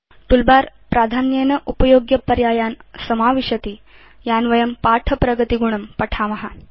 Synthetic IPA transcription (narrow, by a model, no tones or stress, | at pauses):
t̪ulbaːɾ | pɾaːd̪ʱaːnjeːnɐʔupɐjoːɡjɐpɐɾjaːjaːnsɐmaːʋiʃɐt̪i | jaːnʋɐjɐmpaːʈʰɐpɾɐɡɐt̪iɡuɳ̃ɐmpɐʈʰaːmɐɦɐ̆